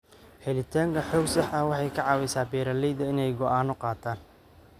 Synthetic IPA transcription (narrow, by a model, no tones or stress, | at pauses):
hɛlɪt̪ʰaːŋkʰɐħɔːɡsɐħɐwɑħɑjkʰɐʕɑːwɛjsaːbɛːɾɐlɛjðɐɪnɛjɡɔʔaːnɔqɑːt̪ʰaːn